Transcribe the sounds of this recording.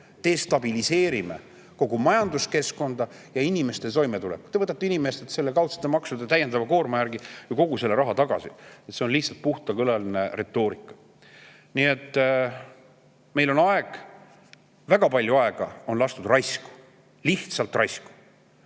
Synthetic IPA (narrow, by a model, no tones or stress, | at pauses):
t̪e̞ːst̪ɑb̥ilise̞ːɾime̞̰ | ko̞ɡ̥umɑjɑnd̪uske̞sko̞nd̪̥ɑ | jɑinime̞st̪e̞t̪o̞jmet̪ulḛkːu̥t̪evɤt̪ːˑɑt̪ːinimest̪et̪se̞lːekɑwt̪se̥t̪ːˑemɑksud̪ɑt̪æje̞nd̪ɑvɑko̞ːrmɑjæɾɡijɑko̞ɡ̥use̞lːe̞ɾɑɦɑt̪ɑɡ̥ɑ̰siet̪se̞o̞nliht̪sɑlt̪̚puht̪ɑkɤlɑline̞ɾe̞t̪ːˑo̞ːɾikːˑɑ̥ | nie̞t̪ː | me̞jlo̞nɑeɡ̥ | væɡ̥ɑpɑlʲjuɑeɡ̥ɑo̞nlɑst̪ud̪rɑjsku̥ | liht̪sɑlt̪rɑjsku̥